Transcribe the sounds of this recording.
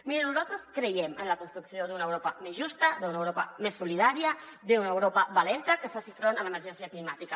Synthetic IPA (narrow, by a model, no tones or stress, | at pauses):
miɾənuzalˠt̪ɾəskɾəjɛmənləkunst̪ɾuksioðunəewɾopəmezʒust̪əðunəwɾopə̰mesːuliðaɾiəd̪eunəəwɾopəβalent̪əkəfasifɾonələməɾʒɛnsiəklimat̪ikə